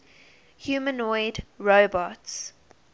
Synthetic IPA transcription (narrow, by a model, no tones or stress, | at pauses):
hjuːmə̃nɔɪdɹoʊbɔts